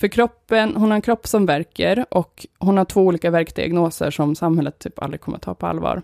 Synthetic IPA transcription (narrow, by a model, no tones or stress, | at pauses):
fœɾkʰɾɔpːənhʊnhaɾɛnkʰɾɔpːsɔmvæɾkəɾʔɔkhʊnhaʈʰvoːuːliːkavæɾkd̪ɪ̰a̰ɡnoːsə̰ʂɔmsamhɛlːət̪ʰːyːpʰa̰ld̪ɾɪɡ̚ʰɔməɾat̪ʰːɑ̰ːpʰɔa̰lːvɑ̰ːɾ